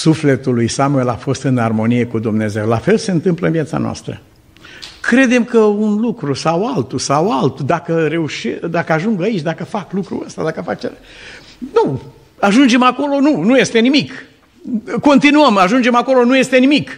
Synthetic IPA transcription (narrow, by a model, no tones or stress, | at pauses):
sufle̞t̪ulujsamuelafo̞st̪ɨnarmo̞nije̞kud̪umne̞ze̞wlafe̞lse̞ɨnt̪ɨmpləɨnvijat̪sa̰noa̰st̪ɾə̰ | kɾe̞d̪e̞mkəunlukɾusawalt̪usawalt̪ud̪akəɾe̞uʃed̪akəaʒuŋɡait͡ʃʲd̪akəfaklukɾṵəst̪ad̪akəfak̚t͡ʃeɾa | nu | aʒund͡ʒe̞mako̞lo̞nunuje̞st̪e̞nimik | ko̞nt̪inuəmaʒund͡ʒe̞mako̞lo̞nuje̞st̪e̞nimik